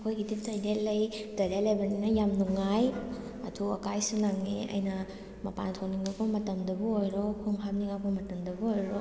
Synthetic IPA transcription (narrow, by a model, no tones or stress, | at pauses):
kʰojɡidip̚tɐjdelːɐjdɐɾalɐjbɐninɐjamnuŋaj | ɐtʰuɐkajsunaŋneɐ̰jnɐ | mɐpa̰ntʰowniŋakʰomɐtɐmdɐbuojɾokʰoŋɦapniŋakʰomɐtɐmdɐbuojɾo